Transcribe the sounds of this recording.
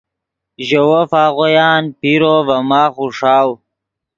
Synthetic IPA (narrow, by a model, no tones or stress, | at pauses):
ʒɐwofaːɣojaːnpiɾoːvɐmaːχuʂaːw